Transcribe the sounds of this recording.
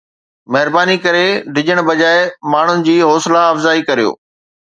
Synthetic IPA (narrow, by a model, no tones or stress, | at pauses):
mɐɦɪɾbaːnikɐɾeɖʱɪd͡ʑəɽ̃bɐd͡ʑaːɪmaːɳ̤ʊnɪ̆d͡ʑiːɦɔːsɪlaɐfzaːikɐɾijo̰ː